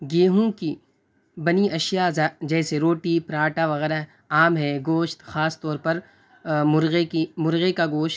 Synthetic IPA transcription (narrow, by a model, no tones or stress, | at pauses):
ɡeːɦũki | bɐniɐʃjazad͡ʒɛːseɾoːʈipɾãːʈaʋɐɣɛːɾa | aːmɦɛːɡoːʃt̪xaːst̪ɔːɾpɐɾ | mʊɾɣekimʊɾɣekaɡoːʃt̪